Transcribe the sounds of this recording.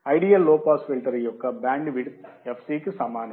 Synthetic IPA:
ɐɪɖijɐlːoːpaːsfilʈɐɾɐjokːɐbaːɳɖʋiɽ | ɛfsiːkːɯsɐmaːnɐ

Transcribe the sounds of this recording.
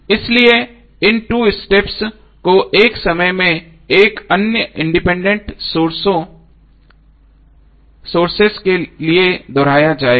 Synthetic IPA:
ɪslie | ɪnʈuːɪsʈeps | koʔeːksɐməjmẽ | eːkɐnjəɪ̃ɳɖɪpɛ̃ːɳɖə̃ɳʈoo | soːɾseskelied̪ɔːɾaːjad͡ʒaːe

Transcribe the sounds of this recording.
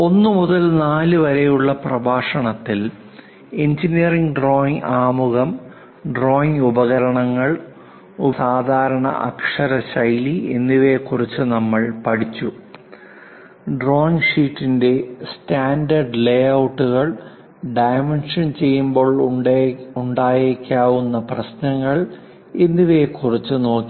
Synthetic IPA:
o̞nːumuðɐlnaːlɨʋɐɾejuɭːɐprɐbʱaːʂɐɳɐt̪ːil | end͡ʑinijɐriŋɡɖro̞ːiŋɡaːmuɣɐm | ɖro̞ːiŋubɐɣɐɾɐɳɐŋːɐɭ | usaːd̪ʱaːɾɐɳɐ̰ʔɐ̰kʂɐɾɐɕɐjlienːiʋe̞kurit͡ɕːɨnɐmːɐɭpɐɽit͡ɕːu | ɖro̞ːiŋʂiːtːinde̞staːndɐrɖlejɐwʈːuɣɐɭ | ɖɐjmenʂɐnt͡ɕe̞jːumbo̞ːɭ | uɳɖaːjekʲːaːʋunːɐprɐɕnɐŋːɐɭ | e̞nːiʋe̞kːurit͡ɕːɨno̞ːkːi

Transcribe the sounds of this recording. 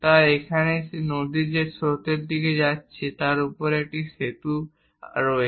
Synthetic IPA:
t̪aekʰaneʃenod̪id͡ʑesot̪eɾd̪iked͡ʑatːɕʰet̪aɾupoɾek̚ʈiʃet̪u | ɾɔe

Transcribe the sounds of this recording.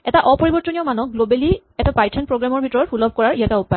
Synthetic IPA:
ɛtaʔɔpɔɹibɔɹtɔniɔmanɔk̚ɡlobeli | ɛtapajtʰɛnpɹoɡɹamɔɹbʱitɔɹɔɹpʰulɔb̚ʱkɔɹaɹiataupae

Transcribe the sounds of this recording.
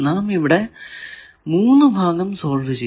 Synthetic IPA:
naːmiʋiɽe | muːnːɨbʱaːɡɐmso̞ːɭʋɨd͡ʑe

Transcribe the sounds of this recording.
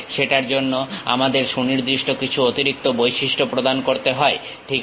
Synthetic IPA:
ʃeʈaɾd͡ʑonːoa̰mad̪eɾʃuniɾd̪ɾiʃʈʰokit͡ɕʰuot̪iɾik̚t̪obojʃiʃʈʰopɾod̪ankoɾt̪eɦɔe | ʈʰik

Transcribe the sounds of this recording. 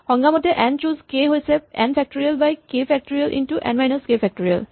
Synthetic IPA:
hɔ̃ŋɡamɔtɛʔɛnt͡ʃuzkeɦojsɛɛ̰npʰɛk̚toɹialbajkepʰɛk̚toɹialʔḭntuʔɛ̰̃nmajnəskepʰɛk̚toɹia̰l

